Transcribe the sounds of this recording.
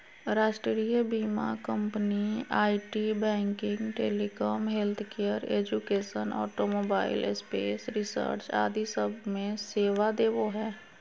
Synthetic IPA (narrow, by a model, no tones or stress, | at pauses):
ɾaːʃʈɾɾijəbiːma̰kə̃mpniaːiʈibɛ̃ːŋkɪ̃ŋɡʈeːlikɔːmɦelt̪ʰkejəɾeːd͡ʒukeːʃənɔ̰ːʈomoːbaːɪ̰lspḛːsɾɪsə̰ɾt͡ʃa̰ːd̪isəbʱmẽseːwad̪eːʋoɦɛː